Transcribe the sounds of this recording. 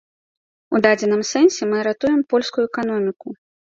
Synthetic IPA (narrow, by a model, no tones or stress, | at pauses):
ud̪ad͡zʲɛnɨmsɛnsʲɛmɨɾat̪ujɛmpɔlʲskujuɛkan̪ɔmʲiku